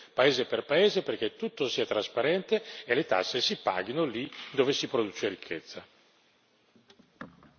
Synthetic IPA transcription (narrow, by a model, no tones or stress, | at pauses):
paeːzeperpaeːzeperk̟et̪ːut̪ːosiːat̪ɾaspaɾɛnt̪eelet̪a̰sːesipa̰ːɡinolid̪oːvesipɾod̪uːt͡ʃeɾikʰːḛt̪sːa